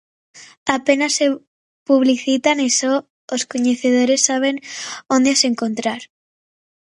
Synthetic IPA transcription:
apenasːe | puβliθit̪aniso | oskoɲeθeð̞oɾesːaβ̞eŋond̪easeŋkõnt̪ɾaɾ

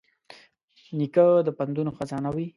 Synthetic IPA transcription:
nikəd̪əpand̪unoxazɑnawi

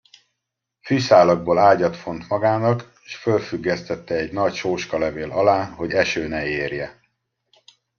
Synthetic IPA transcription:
fyʃaːlɒɡ̚boːlaːɟɒt̪fo̞n̪t̪mɒɡaːnɒkeʃfølfyɡːɛst̪ɛt̪ːɛːɟnɒcʃoːʃkɒlɛveːlɒlaːɦo̞ɟɛʃøːnɛeːrjɛ

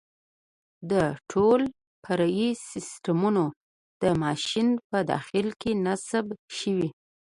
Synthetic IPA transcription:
d̪əʈʰol | pʰaɾajisɪsʈamuno | d̪̥əmɑʃinpəd̪ɑ̰xɪlkenasbʃəwi

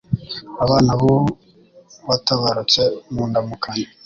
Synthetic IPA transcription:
aβaːnaβo | βataβaɾot͡semuːndamukʰaɲa

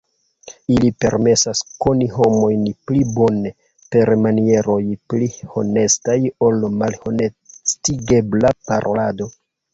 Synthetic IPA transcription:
ilipe̞ɾme̞sasko̞niɦo̞mo̞jnplibo̞ne | pe̞ɾmanie̞ɾo̞jpliho̞̰ne̞stajo̞lmalho̞nestiɡe̞blapaɾʔo̰lado̞

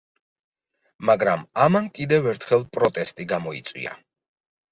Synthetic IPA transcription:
maɡɾamamankʼid̪ɛvɛɾt̪ʰχɛlˠpʼɾɔt̪ʼɛst̪ʼiɡamɔḭt̪sʼwḭa̰

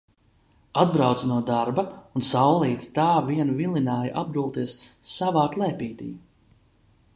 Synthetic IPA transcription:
ad̪bɾawt̪snuɔd̪aɾbɐunsawlˠiːt̪t̪aːviɛnvilinaːja̰ʔab̚d̪ulˠt̪iɛsːavaːklˠɛːpiːt̪ḭː

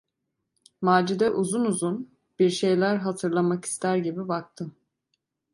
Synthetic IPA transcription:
maːd͡ʒid̪ɛʔuzunuzun | b̥iɾʃe̞jlʲæɾɦat̪ʰɯɾlˠamaki̥st̪ʰæɾɟibibak̚t̪ʰɯm

